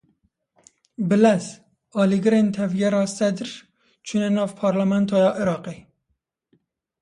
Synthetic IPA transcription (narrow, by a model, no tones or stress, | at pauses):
bɨlɛz | ɑːliɡɨɾeːnt̪ʰɛvjɛɾɑːsɛd̪ɾ | t͡ʃʰunɛnɑːvpʰɑːɾlæmɛnt̪ʰɑːjɑːʔɨɾɑːqeː